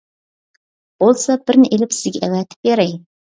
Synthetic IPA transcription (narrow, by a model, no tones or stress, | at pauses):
b̥olˠsɑbɪɾnɪʔelɪpsɪzɡʲɛʔɛvɛt̪ʰɪ̥p̚beɾɛj